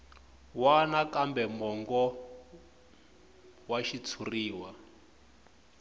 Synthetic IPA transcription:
wanakambɛmɔŋɡɔ | waʃit͡sʰuriːwa

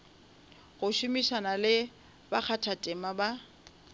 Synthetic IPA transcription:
ɣʊʃʊmiʃanalɪ | bak͡xʰatʰatʼɪmaba

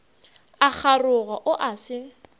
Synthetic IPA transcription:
ak͡xʰarʊɣaʔʊʔasɪ

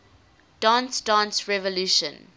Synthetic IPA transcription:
ɖ̥ãːnsɖãːnsɹɛvɔluːʃə̰̃n

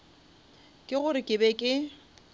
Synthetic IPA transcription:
kʼɪɣʊɾɪkʼɪbɛkʼɪ

